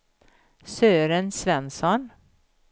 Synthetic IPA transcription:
søːɾənsvɛnsɔn

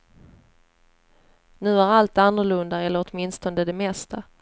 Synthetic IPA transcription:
nʉ̟ːæɾalt̪anːɵɭɵnd̪aɛlːəɾɔt̪mɪnst̪ɔnd̪əd̪ɛmɛst̪ʰa

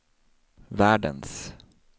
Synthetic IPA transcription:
ʋæːɖə̰ns

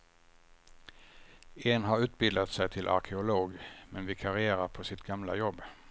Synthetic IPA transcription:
eːnɦɑɾʉːt̪̚bɪld̪at̪sæɪt̪ʰɪlʔa̰ɾkʰɛʊloːɡmɛnʋɪkʰɑɾɪeːɾaɾpʰɔsɪt̪ɡɑmla̰jɔbː

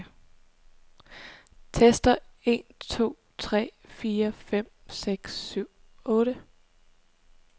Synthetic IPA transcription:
t͡sʰesd̥ɐe̝̰ːnt͡sʰo̝̰ː | t͡sʰʁɛ̰ːfiːɐfem̰seɡ̥sːyʊ̰ | ɔ̽ːɾə

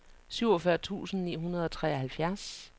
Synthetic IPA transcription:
syʊ̰ɒfɶɐt͡sʰṵːsn̩nḭːɦunɐð̞ˠɒ̽t͡sʰʁɛːɐhælfjæɐ̰s

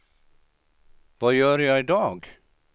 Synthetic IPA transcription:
ʋvɑːjøːɾjæɪɪd̪ɑːɡ

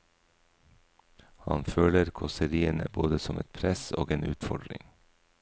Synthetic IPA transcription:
hɑnføːləɾkʰɔsəɾiːənə̰boːd̪əsɔmʔɛt̪̚pʰɾɛso̰ːɡeːnʉ̰ːt̪fɔɖɾɪ̰ŋ

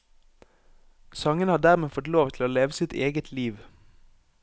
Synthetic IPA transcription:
sɑŋənhɑːd̪æʁmeːfɔt̪loːʋt̪ʰl̩oːleːʋəsɪt̪ʰeːɡət̪ʰliːʋ

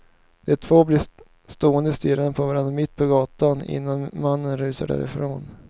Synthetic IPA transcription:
d̪̥ɛt̪ʰvoːblɪ | st̪oːənd̪əst̪yːɾənəpʰɔvaɾand̪ɾamɪt̪ːpʰɔɡɑːt̪anɪ̰nːanmanːənɾʉːsə̰ɖæ̰ːɾɪ̰fɾoːn

